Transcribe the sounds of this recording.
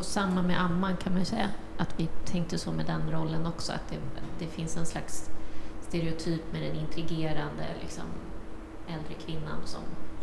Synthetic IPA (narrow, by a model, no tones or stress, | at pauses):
samːamɛʔamːankʰanmanjɵsɛjːa | ʔat̪vɪt̪ʰɛŋk̚t̪əsɔmɛd̪ɛnɾɔlːənɔksɔa̰t̪̚d̪ɛd̪̥ɛfɪnsɛnslaksːt̪eɾɛʊt̪ʰyːpmɛd̪ɛnɪnt̪ɾɪɡeːɾand̪ə̰lʔɪ̰ksɔ̰m | ɛld̪ɾəkʰvɪnːa̰nsɔ̰m